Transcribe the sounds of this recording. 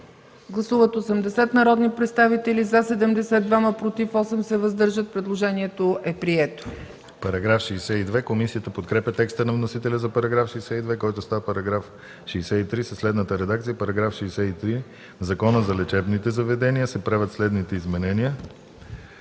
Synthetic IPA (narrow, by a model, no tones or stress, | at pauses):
ɡlˠɐsuvət̪osəmd̪ɛsɛt̪nɐɾɔd̪nipɾɛt̪st̪avit̪ɛlʲizasɛd̪ɛmd̪ɛsɛd̪d̪vaməpɾot̪ifɔsɛmsɛvɐzd̪ɤɾʒət̪̚pɾɛd̪lˠoʒɛniɛt̪oʔɛpɾiɛt̪o̥ | pɐɾɐɡɾafʃɛːsɛid̪vɛkomisiət̪əpot̪kɾɛpʲɐt̪ɛkst̪ənɐvnosit̪ɛlʲəzɐpɐɾɐɡɾafʃɛːsɛid̪vɛkɔjt̪ʊst̪avəpɐɾɐɡɾaf | ʃɛsɛit̪ɾisəslɛd̪nət̪əɾɛd̪ak̚t̪sijəpɐɾɐɡɾafʃɛːsɛit̪ɾi | zɐkɔnəzɐlɛt͡ʃɛbnit̪ɛzɐvɛd̪ɛnijəsɛpɾavʲət̪slɛd̪nit̪ɛizmɛnɛniə